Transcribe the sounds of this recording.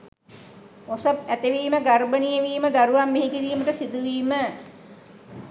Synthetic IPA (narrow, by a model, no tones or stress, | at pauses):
osəp̚æt̪eʋiːməɡarbənijeʋiːməd̪aɾuʋamːeɦikiɾiːməʈəsid̪uʋiːmə